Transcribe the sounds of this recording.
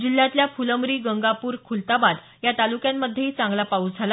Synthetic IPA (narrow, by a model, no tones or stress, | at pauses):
d͡ʑilːãt̪ljafuləmɾiːɡəŋɡapuːɾkʰult̪abad̪ | jat̪alukjamːəd̪ʱjeɦit͡sãŋɡlapaud͡zʱala